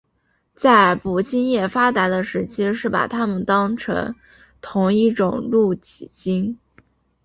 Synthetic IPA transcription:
t͡sa˥˩ɪpu˨˩ɕi˥njɛ˥˩fa˥t̪a˧˥d̪ə˧ʂɻ̩˧˥t͡ɕʰi˥ʂɻ̩˥˩pa̰˨˩t̪ʰa˥mə˨nt̪ɑ˥ŋʈ͡ʂʰɤ̰˧˥ŋ | t̪ʰʊ˧˥ŋi˥˩ʈ͡ʂʊ˨˩ŋlu˥˩t͡ɕi˨˩t͡ɕi˥ŋ

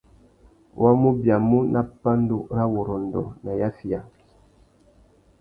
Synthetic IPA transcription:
wʔa˦mu˦bja˨mu˦nʔa˦pa˦n˦du˦ɾa˦wo˨ɾɔ˨n̩˨dɔ̰˨na˨ja˦fi˨a˨

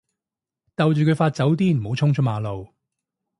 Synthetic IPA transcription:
t̪ɐ˨wt͡ʃyː˨kʰɵ˨˧jfaː˧t̚t͡sɐ˨˥wt̪iː˥m̩˨˩ho˨˧˥wt͡ʃʰʊ˥ŋt͡ʃʰʊ˥maː˨˧lo˨˧w

